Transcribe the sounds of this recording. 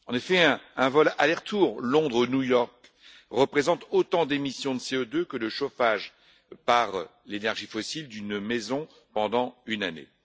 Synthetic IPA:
ɑ̃nefɛɛ̃ɛ̃vɔlalɛʁt̪uʁlɔ̃d̪ʁunjujɔʁk | ʁəpχezɑ̃t̪ot̪ɑ̃d̪emisjɔ̃d̪əseød̪økələʃofaʒ | paʁ | lenɛʁʒifɔsild̪ynmɛzɔ̃ | pɑ̃d̪ɑ̃ynanḛ

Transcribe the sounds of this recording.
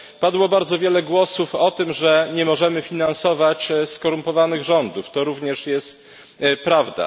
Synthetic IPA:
pad̪wɔbaɾd̪zɔvʲjɛlɛɡwɔsufɔt̪ɘmʐɛɲɛmɔʐɛmɘfʲinansɔvat͡ɕskɔɾumpɔvanɘɣʐɔnd̪uft̪ɔɾuvɲɛʂjɛst̪̚ | pɾavd̪a̰

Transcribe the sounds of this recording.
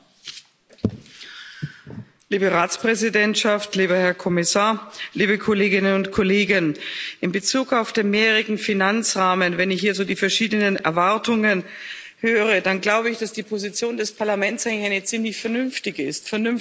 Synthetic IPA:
liːbəʁaːtt͡spʁ̥ɛzidɛntʃaftliːbɐhɛɐkʰɔmɪsaːɐliːbəkʰoleːɡɪnənʊntkʰoleːɡənʔɪmbət͡suːkaʊfd̥eːnmeːʁəɡŋ̩finant͡sʁaːmənvɛnɪçhiːɐzoːdiːfɛɐʃiːdənənɛ̰ɐvaɐtʊŋən | høːʁ̞ədanɡlaʊbəɪçd̥asd̥iːpʰozit͡sjoːndɛspʰaɐlamɛntsʔaɪŋlɪçʔaɪnət͡siːmlɪçfɛɐnʏnftɪɡəɪstfɛɐnʏn

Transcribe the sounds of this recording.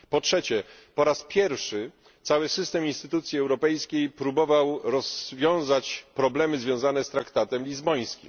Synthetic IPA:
pɔtʂɛt͡ɕɛpɔɾaspʲjɛɾfʂɘ | t̪sawɘsɘst̪ɛminst̪ɘt̪ut̪sʲjiɛwɾɔpɛjskʲejpɾubɔvawɾɔzvʲjɔ̃w̃zat͡ɕpɾɔblɛmɘzvʲjɔ̃w̃zanɛst̪ɾakt̪at̪ɛmlʲizbɔj̃skʲḭm

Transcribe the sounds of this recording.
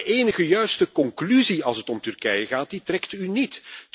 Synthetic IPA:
ʔeːnəɣəjœɥstəkɔŋklyziɑlˠsətɔmtɵrkɛjəɣaːt̚ditrɛktynit

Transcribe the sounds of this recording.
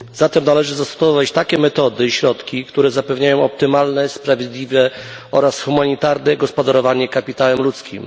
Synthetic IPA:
z̥at̪ɛmnalɛʐɘzast̪ɔ̥svɔvat͡ɕt̪akʲɛmɛt̪ɔd̪ɘɕɾɔt̪kʲikt̪uɾɛzapɛvɲajɔ̃w̃ɔpt̪ɘmalnɛspɾavʲjed̪lʲivɛ | ɔɾasxumaɲit̪aɾnɛɡɔspɔd̪aɾɔvaɲɛkapʲit̪awɛmlut̪skʲḭm

